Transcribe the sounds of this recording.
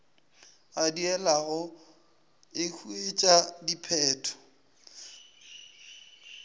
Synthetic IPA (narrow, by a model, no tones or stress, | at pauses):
adiɛlaɣʊ | ɪkʰuet͡ʃʼadipʰɛːtʰɔ̥